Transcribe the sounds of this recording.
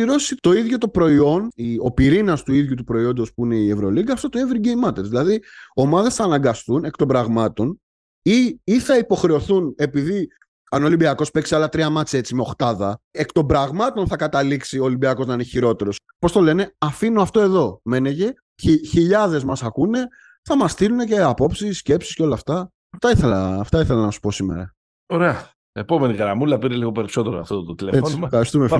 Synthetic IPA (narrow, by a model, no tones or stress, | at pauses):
iɾo̞sit̪o̞iðʝo̞t̪o̞pɾo̞io̞nio̞̰piɾinɐst̪uiðʝut̪upɾo̞io̞nd̪ospuine̞ievɾo̞liɡɐft̪ot̪oevɾiɟejmːɐt̪eɾzðilɐðio̞mɐðe̞sθɐːnɐŋɡɐst̪une̞kt̪o̞mbɾɐɣmɐt̪o̞n | iːθɐipo̞xɾe̞oθune̞piði | ɐnolimbiɐko̞spe̞ksiɐlɐt̪ɾiɐmɐt͡se̞t͡simeo̞xt̪ɐðɐekt̪o̞mbɾɐɣmɐt̪o̞nθɐkɐt̪ɐliksioːlimbiɐko̞znɐinçiɾo̞t̪e̞ɾo̞s | po̞st̪o̞le̞ne̞ɐfinoɐft̪o̞e̞ðo̞me̞neʝe̞ | içiʎɐðe̞zmɐsɐkune̞ | θɐmɐst̪iɾune̞ce̞ɐpo̞psisːce̞psi̥sceo̞lɐːft̪ɐ | t̪ɐiθelɐ̰ft̪ɐiθe̞lɐnɐsu̥po̞sime̞̰ɾɐ̰ | oɾeɐ | epo̞me̞niɣɾɐmulɐpiɾeliɣo̞pe̞ɾiso̞t̪eɾoɐ̰ft̪ot̪ot̪ileefoɐɾist̪umef